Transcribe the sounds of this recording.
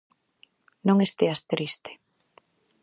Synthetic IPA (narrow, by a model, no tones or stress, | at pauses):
nõŋest̪east̪ɾist̪e̥